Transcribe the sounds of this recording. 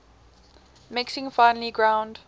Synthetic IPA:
mɪksɪ̃ŋfãɪ̃nəliɡɹãʊ̃nd̥

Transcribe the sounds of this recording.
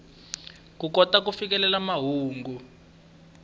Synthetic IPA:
kukɔtak̬ufik̬ɛlɛlamaɦuːŋɡu

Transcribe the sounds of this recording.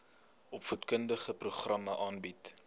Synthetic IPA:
ʔɔpfutkəndəχəpruχrɐmɐʔɑːnbit

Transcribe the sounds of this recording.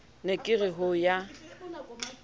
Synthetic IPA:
nekʼɪrɪɦʊja

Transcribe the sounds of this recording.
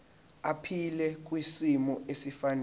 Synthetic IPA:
apʰilɛk̬ʼwisimɔʔesifanɛ

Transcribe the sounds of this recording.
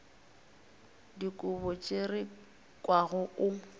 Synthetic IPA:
dikʼʊbɔt͡ʃʼerɪ | kʼwaɣʊʔʊ

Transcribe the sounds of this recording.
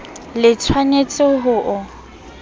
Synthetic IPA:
lɪt͡sʰwanet͡sʼɪɦʊːʔʊ

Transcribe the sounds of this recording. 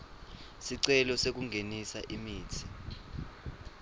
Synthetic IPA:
siǀɛlɔsek̬uŋɡʱenisaʔimiːt͡sʰi̥

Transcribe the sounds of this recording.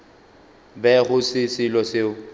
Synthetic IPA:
bɛɣʊsɪsɪlɔsɪʊ

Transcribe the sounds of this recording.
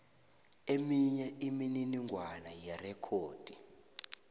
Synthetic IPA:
emiɲɛimininiŋɡʱwanajɛrɛkʰoːd̥ʱi

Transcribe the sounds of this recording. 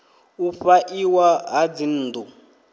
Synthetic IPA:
uɸaʔiwaɦad͡zin̩ːd̪u

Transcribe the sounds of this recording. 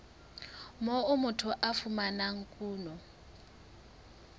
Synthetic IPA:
mɔumutʰuʔafumanaŋ̩kʼuːnɔ

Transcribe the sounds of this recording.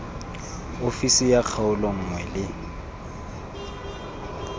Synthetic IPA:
ofisɪjak͡xʰaʊlɔŋ̩ŋwɛlɪ

